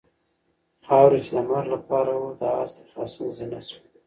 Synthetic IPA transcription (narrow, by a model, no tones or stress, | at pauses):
xɑwɾet͡ʃed̪əmaɾlapɑɾawod̪ɑɑ̰st̪e̥xɑsunzenaswi